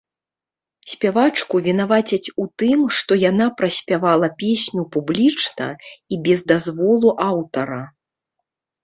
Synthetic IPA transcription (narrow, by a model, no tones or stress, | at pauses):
sʲpʲavat͡ʂkuvʲinavat͡sʲit͡sʲut̪ɨmʂt̪ɔjanapɾɐsʲpʲavalˠɐpʲesʲnʲupublʲit͡ʂnɐ̰ibʲɛzd̪azvɔlˠuʔawt̪ɐɾɐ